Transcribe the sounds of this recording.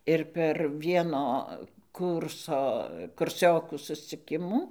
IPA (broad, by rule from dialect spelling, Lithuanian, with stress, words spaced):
ɪr pʲɛr ˈʋʲiɛnoː ˈkuːrsoː kʊrʲˈsʲoːkuː sʊsʲt͡sʲɪˈkʲɪmuː